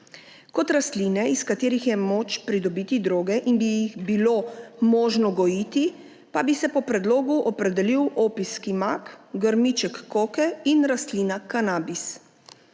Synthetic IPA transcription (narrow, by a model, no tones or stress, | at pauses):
kɔt̪ɾast̪linɛiskat̪eːɾixjɛmoːt͡ʃpɾid̪ɔbiːt̪id̪ɾoːɡɛʔinbijixbilomɔːʒnɔɡɔjit̪i | pabisɛpɔpɾɛd̪loːɡuʔɔpɾɛd̪ɛliwʔoːpiskimakɡəɾmit͡ʃɛkːoːkɛinɾast̪liːnakanaːbis